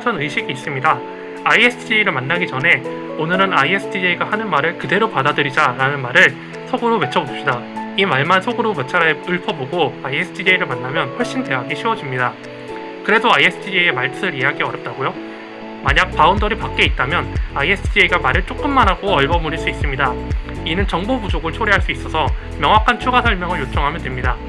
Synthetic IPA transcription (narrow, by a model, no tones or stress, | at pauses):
sʰʌnɯiɕʰiɡiːs͈ɯmɲida | aiesʰɯd͡ʑiiɾɯɭmanːaɡid͡ʑʌne̞ | onɯɾɯnaiesʰɯdʰieiɡahanɯnmaɾɯɭkɯde̞ɾopadadɯɾid͡ʑaɾanɯnmaɾɯɭ | sʰoɡɯɾome̞t͡ɕʰʌbopɕ͈idaimaɭmansʰoɡɯɾomet͡ɕʰaɾaeɯɭpʰʌboɡoaiesʰɯdʰid͡ʑeiɾɯɭmanːamjʌnɸwoɭɕ͈inte̞ɦaɡiɕʰiwʌd͡ʑimɲida | kɯɾe̞doajesʰɯdʰieemaɭtʰɯɯɾijaɡiʌɾjʌp̚t͈aɡojo | maɲak̚paundʌɾipak̚k͈e̞it̚t͈amjʌnaiesʰɯdʰieiɡamaɾɯɭt͡ɕ͈ok͈ɯmːanɦaɡoʌɭɡʌmuɾiɭs͈uis͈ɯmɲidainɯnt͡ɕʌŋbobud͡ʑoɡɯɭt͡ɕʰoɾiɦaɭs͈uis͈ʌsʰʌ | mjʌŋɦwakʰant͡ɕʰuɡasʰʌɭmjʌŋɯɭjot͡ɕ͈ʌŋɦamjʌndwemɲida